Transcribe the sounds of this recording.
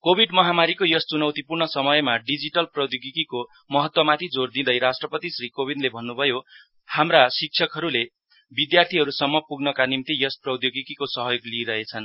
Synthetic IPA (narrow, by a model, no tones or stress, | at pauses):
kobʱiɖmʌɦamaɾikojʌst͡sunʌwt̪ipurnɳʌsʌmʌjmaɖid͡ziʈʌlprʌd̪joɡikiko | mʌɦʌt̪wʌmat̪ʰid͡zord̪ĩd̪ʌjɾasʈrʌpʌt̪isrikobʱiɖlebʱʌnːubʱʌjo | hamrasik̚t͡sʰʌkɦʌɾule | bid̪jart̪ʰiɦʌɾusʌmːʌpuɡnʌkanimt̪ijʌsprʌd̪joɡikikosʌɦʌjoɡliɾʌɦet͡sʰʌn